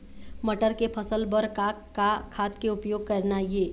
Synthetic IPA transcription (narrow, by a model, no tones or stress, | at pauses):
məʈəɾkepʰəsəlbəɾka | kakʰːaːt̪keʊpjoːɡ̚kɐɾnajeː